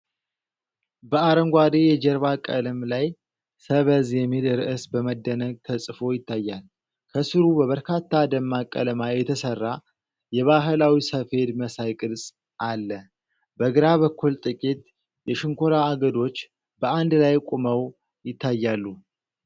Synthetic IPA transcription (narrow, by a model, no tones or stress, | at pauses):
bəaɾəŋɡʷad̪ejɛd͡ʒɛɾβakʼə̰ləmlaj | səβəzjɛmelɾɨʔɨsbəməd̪ːənəɡ̚t̪ʰəsʼfo̞jɪt̪ʰːajːal | kʰəsɨɾubəβəɾkʰat̪ːad̪əmːakʼə̰ləmajɛt̪ʰəsərːa | jɛβaɦɨlawisəfe̞d̪məsajkʼɨlsʼ | ʔalːə | bəɡɨɾaβəkːult̪ʼɨkʼit̪ | jɛʃɪŋkʰo̞ɾaːɡəd̪o̞t͡ʃː | bəand̪lajkʼuməw | jɪt̪ʰːajːalːu